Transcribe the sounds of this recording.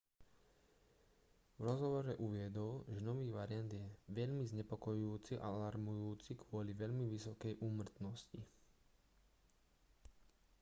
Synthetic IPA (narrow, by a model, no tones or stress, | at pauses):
ʋɾɔzɦɔʋɔɾɛʔuʋɪɛd̪ɔlʒɛnɔʋiːɣʋaɾɪand̪jɛʋɛʎmizɲɛpɔkɔjuuːt͡siʔa̰laɾmujuːt͡sikʰʋʊɔliʋɛʎmiʋisɔkɛjʔuːmr̩t̪nɔsci